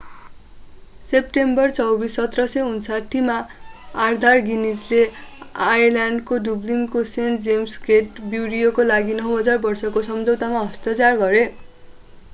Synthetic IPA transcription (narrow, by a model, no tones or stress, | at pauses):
sep̚ʈembʌrt͡sʌwbisʌt̪rʌsʌunsaʈʰːimaː | rd̪ʱarɡinisleajlaɳɖkoɖublimkosend͡zemsɡeʈbjuɽijokolaɡinʌɦɦʌd͡zarbʌrsʌkosʌmd͡zʌwt̪amaɦʌst̪ʌt͡sarɡʌɾe